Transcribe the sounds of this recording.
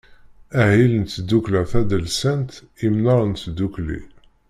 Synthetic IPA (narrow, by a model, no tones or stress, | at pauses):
æhilənt̪ːd̪uklæθæd̪əlsænt̪ | imnɑɾˤnt̪d̪uklḭ